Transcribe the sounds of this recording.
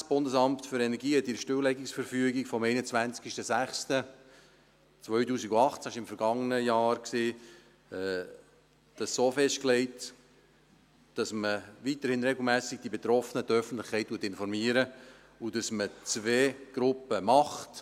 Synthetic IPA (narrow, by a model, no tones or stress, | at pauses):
sb̥ʊndəsɑmptfʏɾɛnɛɾɡiːhɛtɪɾʃtøwlɛɡɪksfəɾfyəɡikfɔmɛɪnət͡svænt͡skɪʃtəsæχstə | t͡svœʏtuːsiɡuɑχt͡sæɪʃɪmfəɾɡ̥ɑŋənəjɑːɾkseː | ɛ | d̥ɑssoːfɛʃt̚klɛɪt | d̥ɑsməʋitəɾhɪnɾɛɡl̩ˠmæːsɪɡ̚d̥ibet̪ɾɔfənədœfən̩t̪lɪχkʰɛɪt̚tːuːtːɪnfɔɾmiːəɾə | udɑsmət͡sʋeːɡ̥ɾʊpəmɑχt